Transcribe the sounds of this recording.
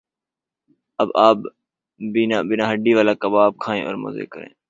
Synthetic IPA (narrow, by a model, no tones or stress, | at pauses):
əbaːb̚ | biːnaːbɪnãːɦəɖiːʋaːlaːkəbaːb̚kʰaːẽːʔɔːɾmo̰zḛːkəɾḛ̃ː